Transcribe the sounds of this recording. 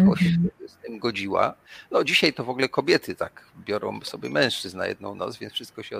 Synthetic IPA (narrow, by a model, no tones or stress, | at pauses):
ɔɕzt̪ɨmɡɔd͡ʑiwa̰nɔd͡ʑiɕajt̪ɔvɔɡlɛkɔbʲjɛt̪ʰɘt̪akbʲjɔɾɔ̰̃w̃sɔbʲjɛmɛ̃w̃ʂt͡ʂɘzna̰jɛ̰d̪nɔ̰̃w̃nɔ̰t̪svʲjɛnsfʂɘst̪̚kɔɕɛ